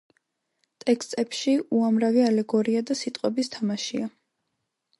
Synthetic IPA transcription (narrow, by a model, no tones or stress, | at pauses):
t̪ʼɛkst̪ʼɛpʃiuamɾavialɛɡɔɾiad̪asit̪ʼqʼwɛbist̪ʰamaʃia